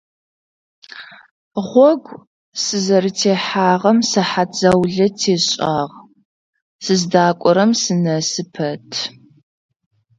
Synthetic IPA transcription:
ʁʷɔɡʷ | sɨzɐrɨtʰeːħaːʁɐmsɐħad͡zɐwɮɐtʰeːɕʼaːʁ | sɨzdaːkʷʼɔɾɐmsɨnɐsɨpʰɐtʰ

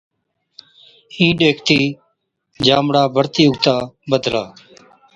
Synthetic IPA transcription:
ĩːɗeːkʰt̪iː | d͡ʒaːmɽaːbʱəɾt̪iːʊɡt̪aːbəd̪ʱlaː

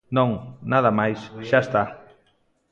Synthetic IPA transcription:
nõŋnaðamajsʃaest̪a

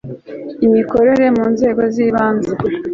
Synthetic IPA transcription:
imiko̞ɾe̞ɾe̞muːnze̞ːɡo̞ziːβaːnzue

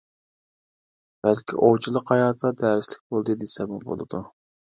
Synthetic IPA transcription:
b̥ælkʲʰḭʔowt͡ʃʰilˠəqhɑjɑːt̪d̪ɑd̪æɾɪslɪk̚ʲbolˠd̪ɨd̪esɛmubo̰lˠɨ̰d̪u

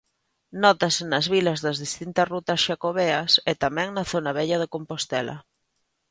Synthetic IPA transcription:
nɔt̪asɪnɐzβilɐzðɐzðist̪int̪ɐsrut̪ɐsʃakoβeɐsɛt̪amɛ̃ŋnɐθonaβ̞ɛʎaðɪkompost̪ɛlʔɐ̰

